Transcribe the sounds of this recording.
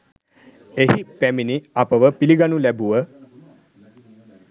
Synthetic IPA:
eɦipæminiapəʋəpiliɡanulæbuʋə

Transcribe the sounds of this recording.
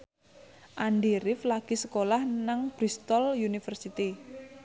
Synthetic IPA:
ʔanɖiɾɪflaɡ̥i̤səkolahnaŋb̥ɾist̪ɔljunifərsit̪i

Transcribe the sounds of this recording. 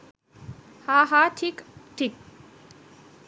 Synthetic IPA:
haɦaʈʰikʈʰik̚

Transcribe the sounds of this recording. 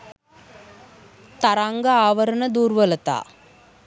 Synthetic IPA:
t̪ɐɾaːŋɡɐaːʋɐɾɐnɐd̪uːɾʋɐlɐt̪a̰ː

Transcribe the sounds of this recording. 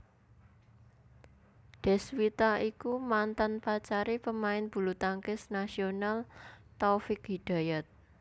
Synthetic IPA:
ɖ̪̥ɛ̤swit̪aikumant̪anpat͡ʃaɾipəmaɪnb̥ṳlut̪aŋkɪsnasionalt̪ɔfɪk̚ɦiɖ̥a̤jat̪̚

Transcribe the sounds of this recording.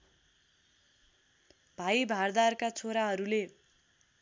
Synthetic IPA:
bʱajbʱard̪arkat͡sʰoɾaɦʌɾule

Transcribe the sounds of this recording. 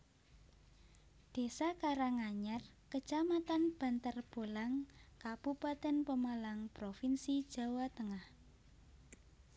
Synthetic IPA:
d̪̥e̤sakaɾaŋaɲar | kət͡ʃamat̪anb̥a̤nt̪ərb̥o̤laŋkab̥upat̪ɛnpəmalaŋpɾofinsid̥ʒ̥a̤wat̪əŋah

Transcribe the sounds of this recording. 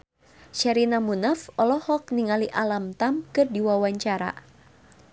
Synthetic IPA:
ʃaɾinamunafɔlɔhɔk̚niŋaliʔalamt̪amkɨrdiwawaɲt͡ʃaɾa̰

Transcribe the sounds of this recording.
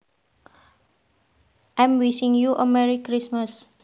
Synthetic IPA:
ʔãmwisĩŋjuʔə̰mɛɹikɾismas

